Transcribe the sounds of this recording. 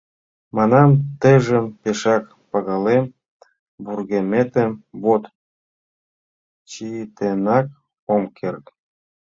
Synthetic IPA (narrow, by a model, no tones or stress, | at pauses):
mɑnɑmt̪əjʒə̆mpeʃɑk | pɑɣɑlem | burɣemet̪emβot̪ | t͡ɕit̪enɑk̚ | omkʰert̪